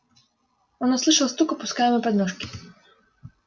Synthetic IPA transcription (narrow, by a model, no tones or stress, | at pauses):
ɔnuslˠɨʂawst̪ukɔpuskajɛmɔpɾɛd̪nɔʂkʲi̥